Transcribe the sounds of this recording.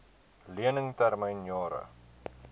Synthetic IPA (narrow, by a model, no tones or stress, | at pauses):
liənəŋtærməjnjɑːɾə̰